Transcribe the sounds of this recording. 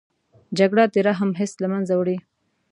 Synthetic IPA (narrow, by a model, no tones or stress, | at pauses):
d͡ʒaɡɽat̪eɾaɦamɦɪslamanzawɽi